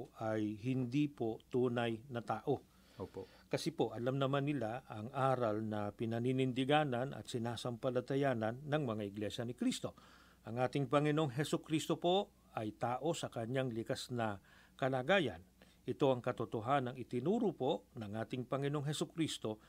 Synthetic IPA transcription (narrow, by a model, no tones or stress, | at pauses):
ʔajɦɪnd̪ipo̞t̪uːnɐjnɐt̪aːʔo̞ | opo | kɐsɛpo̞ʔɐlamnɐmanːɪlaʔɐŋʔaːɾɐlnɐpɪnɐninɪnd̪ɪɡaːnɐnʔɐ̰t̪sɪnaːsɐmpɐlɐt̪ɐjaːnɐnːɐŋmɐŋaʔɪɡlɛʃɐnɪkɾist̪o̞ | ʔɐŋʔaːt̪ɪŋpɐŋɪnooŋɦɛsʊkɾist̪o̞po̞ | ɐjt̪aːʔo̞sɐkɐɲːaŋlɪkasnɐ | kɐlaːɡaːjɐ̰n | ʔɪt̪o̞ʔɐŋkɐt̪ot̪oɦanɐŋɪt̪ɪnuːɾʊpo̞ʔnɐŋʔaːt̪ɪŋpɐŋɪnoŋɦɛsʊkɾist̪o̞